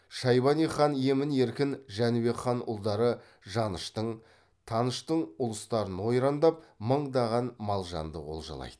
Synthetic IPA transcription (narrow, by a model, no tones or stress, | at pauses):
ʃɑjbɑniχɑnje̞mɪne̞ɾkʲɪnʒænube̞kχɑnʊ̰lˠd̪ɑɾə | ʒɑnəʃt̪əɴ | t̪ʰɑnəʃt̪əɴʊlˠəst̪ɑɾənwo̞jɾɑnd̪ɑp̚məɴd̪ɑʁɑnmɑlˠʒɑ̰nd̪ə̰o̞̰lˠʒɑ̰lˠɑ̰jd̪̥ə